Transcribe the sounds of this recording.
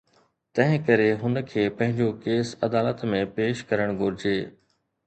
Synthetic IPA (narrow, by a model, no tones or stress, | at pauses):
t̪ɐ̃ɦɪ̃kɐɾeɦʊnkʰeːpɐ̃ɦɪ̃ɲd͡ʑokeːsɐd̪aːlət̪mẽpeːʃkɐɾəɽ̃ɡʱʊɾɪd͡ʑeː